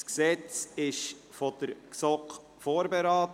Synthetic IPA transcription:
sksɛt͡sɪʃ | fɔd̥əɾksɔk | foːɾbɛɾɑːt

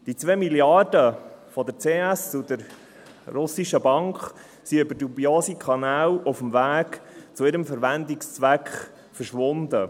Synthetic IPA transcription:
d̥it͡sʋeːmiljɑrdəfɔd̪ət͡seːæsud̥̪əɾ | rʊsiʃəbɑŋkχ | siøbəɾdubioːsikʰɑnæːlɔfəmvæːkt͡suɪɾəmfəɾʋænd̪ɪkst͡sʋækχ | fəɾʃʋʊnd̪ə

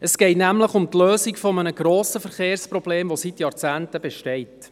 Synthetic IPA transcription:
əsɡ̥ɛɪtnæmləχʊmt̪løːsikfɔmənəɡ̥ɾoːsəfəɾχeːɾsprɔb̥leːmʋositjɑːɾt͡sæːntəbɛʃtɛɪt

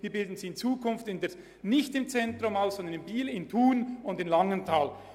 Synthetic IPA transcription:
viːɐbɪldn̩ziɪnt͡suːkʰʊnftɪndɛ | nɪçtɪmt͡sɛntʁʊmaʊsz̥ɔndənɪmbiːlɪntʰuːnʊndɪnlɑŋəntʰaːl

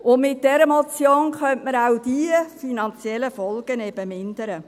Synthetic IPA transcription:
ʊnmɪt̚dɛɾəmɔt͡sjoːnkœntməɾawd̥iəfinɑnt͡sjɛlːəfɔlɡ̥ənɛbəmɪnd̪əɾə

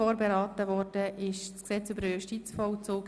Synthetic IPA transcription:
oːɾbeɾɑːtəvɔɾd̥əʔɪʃsksɛt͡sybəɾəjuʃtit͡sfɔʊt͡soːk

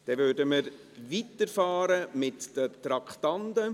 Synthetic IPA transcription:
d̥ɛvøːdəməɾ | vitəɾfɑːɾəmɪtd̥ət̪ɾɑkʰtɑndə

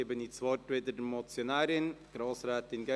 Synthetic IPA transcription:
ebənit͡sʋɑrtʋɪd̪ədmɔt͡sjonaːɾɪnɡ̥ɾɑːsɾɛːt̪ɪnɡɛ

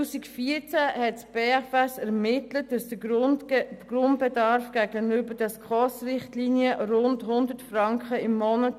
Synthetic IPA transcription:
uːsikfiːt͡sæhɛtsb̥eːɛfɛsɛɾmɪtlətd̥ɑsd̥ə | ɡ̥rʊntbɛdɑɾfɡ̥æɡənybədɛskʰɔsrɪχtliːniəɾʊndhʊndətfrɑŋkχəɪmːɔnə

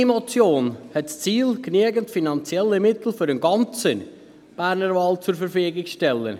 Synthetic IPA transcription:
imot͡sjoːnhɛtst͡siːlknyəɡəntfinɑnt͡sjɛlːəmɪt̪l̩fʏɾənɡɑnt͡sən | b̥æːɾnəɾvɑːlt͡sʊɾfəɾfyːɡɪkʃtɛlːə̰n

